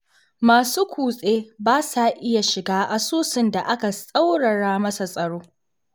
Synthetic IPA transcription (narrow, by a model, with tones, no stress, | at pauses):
maː˨suː˦kʷʰuː˨sʼeː˦baː˦sa˨ʔɪ˦ja˨ʃɪ˨ɡaː˦ʔa˨suː˦sɪ˨nda˨ʔa˦ka˨sʼɐ˦wɽɐ˨ɽaː˦mɐ˦sa˨sʼɐ˨ɽoː˦